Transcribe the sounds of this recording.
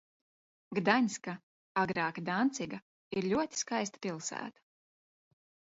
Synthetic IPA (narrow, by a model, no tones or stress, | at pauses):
ɡd̪aɲʲska | aɡɾaːkad̪ant̪siɡa | iɾʎʲuɔt̪ʲi̥skajst̪ḁpʲilˠsæ̰ːt̪ḁ